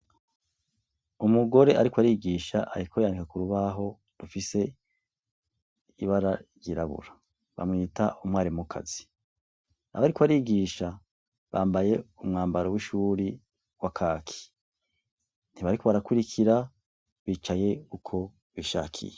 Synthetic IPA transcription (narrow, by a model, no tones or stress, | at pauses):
umuɡo̞ɾe̞ʔaɾikwaɾiːɡiːʃaʔaɾikʰojandikakuɾuβaɦo̞ | dufise̞ | iβaɾa | jiɾaβṵɾa | βa̰mŋiːtaʔumŋaːɾimukʰa̰zi | a̰βaɾikwaɾiːɡiːʃa | βaːmbaje̞umŋaːmbaɾowiʃuːɾi | wakʰaːkʰi̥ | n̥iβaɾiko̞βaɾakuɾikʰiɾa | βiːt͡ʃaje̞ukʰo̞ | βiʃa̰ːkʰḭje